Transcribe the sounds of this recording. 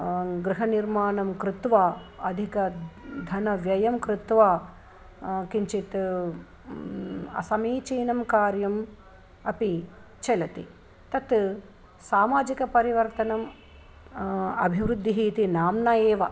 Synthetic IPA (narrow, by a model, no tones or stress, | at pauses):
ɡɾɨɦɐniɾmaːnɐmkɾɪt̪ʋaːɐd̪ʱikɐd̪ʱɐnɐʋjɐjɐmkɾɪt̪ʋaː | kiɲt͡ʃit̪ | ɐ̰sɐmiːt͡ʃiːnɐmkaːɾjɐm | ɐpi | t͡ʃɐlɐt̪ḭ | t̪ɐt̪ | saːmaːd͡ʒikɐpɐɾiʋɐɾt̪ɐnɐm | ɐ̰bʱiʋɾud̪ʱːiɦiːt̪inaːmnɐeːʋɐ